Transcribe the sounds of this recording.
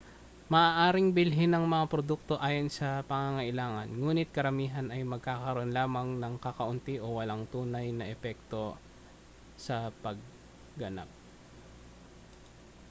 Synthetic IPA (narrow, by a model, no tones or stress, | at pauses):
mɐʔaːʔaːɾɪŋbɪlɦɪnɐŋmɐŋapɾod̪uk̚t̪o̞ʔaːjonsɐpɐŋaŋɐʔɪlaːŋɐ̰nŋuːnɪt̪̚kɐɾɐmiːɦɐnɐjmɐɡ̚kaːkɐɾo̞nlaːmɐŋnɐŋkɐkɐʔʊnt̪iʔowɐlaŋt̪uːnɐjnɐʔɛpɛk̚t̪o̞ | sɐpɐɡ̚ː | ɐna̰p̚